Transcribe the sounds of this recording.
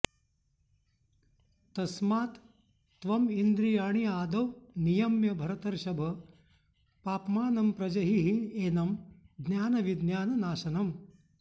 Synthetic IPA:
t̪ɐsmaːt̪ː | ʋɐmind̪ɾijaːɳ̃iaːd̪ɐwnijɐmjɐbʱɐɾɐt̪ɐɾʃɐbʱɐ | paːpmaːnɐmpɾɐd͡ʒɐɦiɦieːnɐmd̪njaːnɐʋid̪njaːnɐnaːʃɐnɐm

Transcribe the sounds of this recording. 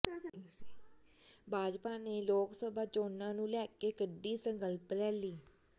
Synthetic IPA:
bʱaːd͡ʒpaːneːloːksəbʱaːt͡ʃoːnãːnũːlɛːkeːkəɖːiːsəŋkəlpɾɛːliː

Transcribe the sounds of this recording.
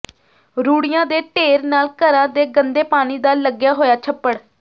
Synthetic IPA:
ɾuːɽɪjãːd̪eːʈeːɾnaːlkəɾãːd̪eːɡənd̪eːpaːɽ̃iːd̪aːləɡjaːɦoːjaːt͡ʃʰəpːəɽ

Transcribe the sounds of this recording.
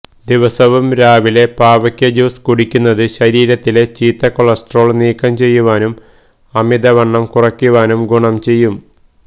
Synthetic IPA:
d̪iʋɐsɐʋɐmɾaːʋile̞paːʋɐkʲːjɐd͡ʑuːskuɽikʲːunːɐðɨɕɐɾiːɾɐt̪ːile̞t͡ɕiːt̪ːɐkoɭɐsʈro̞ːɭniːkːɐmt͡ɕe̞jːuʋaːnum | ɐmid̪ɐʋɐɳːɐmkurɐkʲːuʋaːnumɡuɳɐmt͡ɕe̞jːum

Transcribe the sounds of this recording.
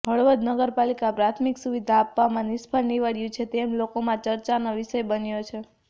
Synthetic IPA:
bʱəɭʋəd̪nəɡəɾpalikapɾat̪ʰmiksuʋid̪ʱaːpːamãnispʰəlniʋaɽijũt͡ʃʰet̪emlokomãt͡ʃəɾt͡ʃanoʋiʃəjbənjot͡ʃʰe

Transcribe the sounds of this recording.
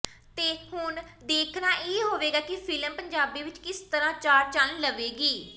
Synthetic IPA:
t̪eːhʊnd̪eːkʰnaːʔeːɦoːʋeːɡaːkɪpʰɪləmpəɲd͡ʒaːbiːʋɪt͡ʃkɪst̪əɾãːt͡ʃaːɾt͡ʃənləʋeːɡiː

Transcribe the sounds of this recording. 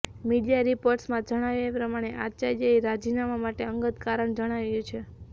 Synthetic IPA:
miɽijaɾipoɾʈsmãd͡ʒəɽ̃aʋjapɾəmaɽ̃eʔat͡ʃaɾjaiɾad͡ʒinamamaʈeəŋɡət̪kaɾəɳd͡ʒəɽ̃aʋjũt͡ʃʰe

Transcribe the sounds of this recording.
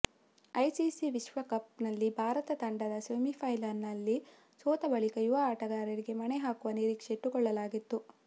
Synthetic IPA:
ɐjsisiʋiʃʋɐkɐpnɐlːibʱaːɾɐt̪ɐt̪ɐɳɖɐd̪ɐsʋemipʰɐjlannːɐlːi | sɔːt̪ɐbɐɭikɐjuʋɐaːʈɐɡaːɾɐɾiɡe̞mɐneɦaːkuʋɐniɾiːkʂeʈːukɔɭːɐlaːɡit̪ːu

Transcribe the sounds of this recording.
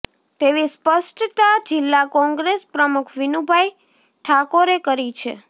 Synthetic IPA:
t̪eʋispəsʈt̪ad͡ʒɪlːakɔ̃ŋɡɾespɾəmukʰʋinubʱaj | ʈʰakoɾekəɾit͡ʃʰḛ

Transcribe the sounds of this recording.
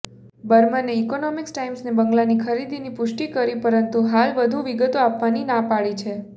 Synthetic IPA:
bəɾmaneːkonɔmiksʈaimsnebəŋɡlanikʰəɾid̪inipʊʃʈikəɾipəɾənt̪uɦalʋəd̪ʱuʋiɡət̪oapʋaninãpaɭit͡ʃʰe

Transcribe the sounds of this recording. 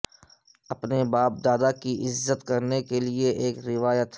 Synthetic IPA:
ɐpnebaːp̚d̪aːd̪akiʔɪzːət̪kɐɾnekelieʔeːkɾɪʋaːjət̪

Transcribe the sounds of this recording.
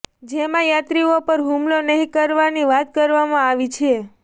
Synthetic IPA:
d͡ʒemãjat̪ɾiopəɾɦumlonəɦĩkəɾʋaniʋat̪kəɾʋamãaʋit͡ʃʰe

